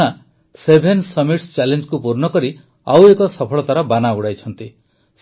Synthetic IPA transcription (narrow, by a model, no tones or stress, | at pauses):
a | sebʱensɔmiʈst͡ʃalend͡ʒkupuɾnɔkɔɾi | awekɔsɔpʰɔɭɔt̪aɾɔbanauɽajt͡ʃʰɔnt̪i | s